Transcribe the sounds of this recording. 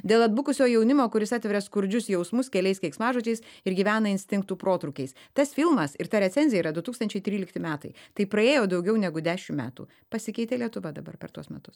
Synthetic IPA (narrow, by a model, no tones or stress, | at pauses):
d̪ʲeːlˠɐd̪bʊkʊsʲoːjɛʊnʲɪmoːkʊɾʲɪsɑːt̪ʲʋʲɛɾʲɛskʊɾʲd͡ʒʲʊsjɛʊsmʊskʲɛlʲɛɪskɐɪksmɑːʒuot͡ʃʲɛɪsɪɾɡʲiːʋʲæːnɐɪnʲsʲt̪ʲɪŋkt̪uːpɾoːt̪ɾʊːkʲɛɪst̪ɐsfʲɪlˠmɐsɪɾt̪ɐɾʲɛt̪sʲɛnʲzʲɪjɛiːɾɐd̪ʊt̪uːkst̪ɐnʲt͡ʃʲɛɪt̪ʲɾʲiːlʲɪkt̪ʲɪmʲæːt̪ɐɪt̪ɐɪpɾɐeːjoːd̪ɐʊɡʲɛʊnʲɛɡʊd̪ʲæːʃʲɪmmʲæ̰ːt̪ṵ | pɐsʲɪkʲɛɪt̪ʲeːlʲiɛt̪ʊʋɐd̪ɐbɐ̰rpʲɛɾt̪uɔsmʲɛt̪ʊs